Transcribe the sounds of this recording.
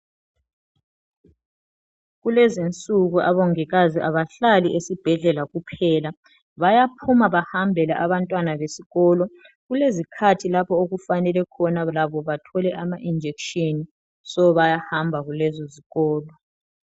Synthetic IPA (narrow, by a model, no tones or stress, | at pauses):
ɣulezint͡sʼuɣuʔaβoŋiɣaziʔaβaɬaliʔesib̥ʱɛɮɛlaɣupʰɛla | βajapʰumaβahambʱɛlaʔaβantʼwanaβesiɣɔːlɔ | ɣulezikʰatʰilapɔoɣufanɛlɛkʰɔnalaβɔβatʰɔlɛʔamaʔind͡ʒʱekʃeni | sɔβajahambʱaɣulɛzɔziɣɔːlɔ